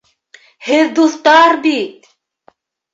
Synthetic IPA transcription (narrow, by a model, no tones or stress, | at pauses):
heɾd̪uθt̪aːɾbit̪̚